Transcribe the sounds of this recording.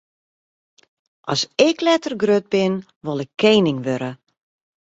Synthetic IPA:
ʔɔsɪklɛtərɡrøt̚bɪn | ʋɔlˠɪkʰːeːnɪŋʋøɾə

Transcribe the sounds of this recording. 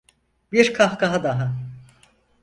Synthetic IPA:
biɾkʰahkaɦad̪aɦa

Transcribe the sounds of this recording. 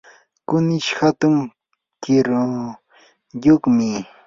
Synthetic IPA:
kʊnɪʃhat̪ʊŋ | kɪɾo | jokmɪ

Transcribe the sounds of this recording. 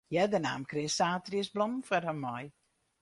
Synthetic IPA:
jɛdəna̰ːmkrɪsaːtriəsblɔmfərhəmːɔj

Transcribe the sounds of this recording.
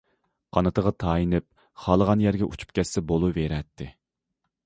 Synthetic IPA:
qʰɑnɨt̪ʰəʁɑt̪ʰɑːjinɪp̚ | χɑːlˠəʁɑnjɛɾɡʲɛʔut͡ʃʰu̥p̚kʲɛsːɛbolˠuveɾɛt̪ʰːɪ

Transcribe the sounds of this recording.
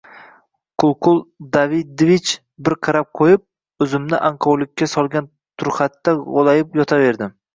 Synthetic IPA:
kʰʊlˠqʰʊlˠd̪avɪd̪̚vit͡ʃ | bɪɾqʰɑɾap̚qʰojɪp̚ | ɵzɪmnɪʔaɴqʰɒwlˠɪkʲːasɒlˠɡʲan | t̪ʰʊɾχɑt̪ːaʁolˠajɪpjɒt̪ʰave̞ɾd̪ɪm

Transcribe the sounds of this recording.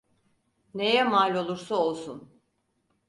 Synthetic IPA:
ne̞jɛmalʲo̞lˠuɾsao̞lˠsun

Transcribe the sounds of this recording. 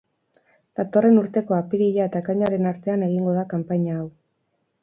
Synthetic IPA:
d̪̥at̪o̞re̞nuɾt̪e̞ko̞apiɾiʎae̞t̪aekaɲaɾe̞naɾt̪e̞ane̞ɣ̞iŋɡo̞ðakampaɲaːw

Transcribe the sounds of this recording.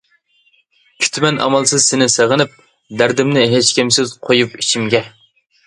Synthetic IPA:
kʲʰy̥t̪ʰmɛnʔɑ̰mɑlˠsɨzsɪnɪseʁənɪp̚ | d̪æɾd̪ɪmnɪɦet͡ʃkʲʰimsɪz̥qʰojupit͡ʃʰimɡʲɛ

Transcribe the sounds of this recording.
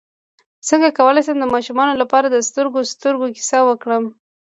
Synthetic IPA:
səŋɡakawəlɑjsamd̪əmɑʃumɑnolapɑɾad̪əst̪əɾɡost̪əɾɡoki̥sawəkɽəm

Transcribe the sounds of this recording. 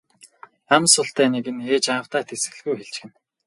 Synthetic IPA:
æmsʊɬt̪æːneɣɘ̆neːt͡ɕaːw̥t̪aːt̪ʰesɘ̆ɣɮɣujxeɮt͡ɕɡɘ̆n

